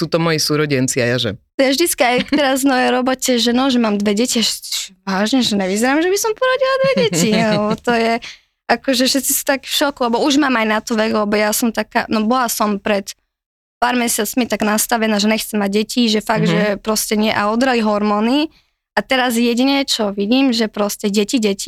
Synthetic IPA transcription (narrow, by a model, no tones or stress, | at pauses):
suːt̪ɔmɔjisuːɾɔɟɛnt͡siajaʒɛ̰t̪ɔjavʒd̪it͡skiajkt̪ɛɾazvnɔjɛjɾɔbɔcɛʒɛnɔʒɛmaːmd̪ʋɛɟɛciaʃɛ̥i̥ʒ̥ɛʋaːʒɲɛʒɛnɛʋizɛɾaːmʒɛbisɔmpɔɾaɟilad̪ʋɛɟɛcilɛbɔt̪ɔjɛ | akɔʒɛʃɛt̪t͡sisu̥t̪akfʃɔkulɛbɔuʒmaːmajnat̪ɔʋɛɡlɛbɔjasɔmt̪aka̰ːnɔbɔlasɔmpɾɛt̪ | paːɾmɛsɪat͡smit̪aɡnast̪aʋɛnaːʒɛnɛxt͡sɛmːaɟ̚ɟɛcʰiʒɛfaɡ̚d̪ʒɛpɾɔscɛɲɪɛʔaɔd̪ɾaliɦɔɾmɔːni | at̪ɛɾazjɛɟiɲɛt͡ʃɔʋiɟiːmʒɛpɾɔscɛɟɛciɟɛci̥